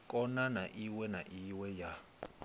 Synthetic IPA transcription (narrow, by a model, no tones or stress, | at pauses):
kʼɔnanaʔiwɛnaʔiwɛja